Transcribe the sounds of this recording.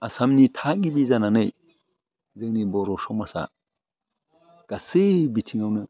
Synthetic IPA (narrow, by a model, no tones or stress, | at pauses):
asamnitʰaɡibizananɯj | zɯŋnibɔɾɔsɔmasa̰ | ɡ̥asɯbitʰiŋawnɯ